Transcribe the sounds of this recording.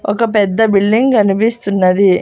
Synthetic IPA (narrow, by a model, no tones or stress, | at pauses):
ɔkɐpɛd̪ːɐbiɭːiŋɡɐnipist̪unːɐd̪i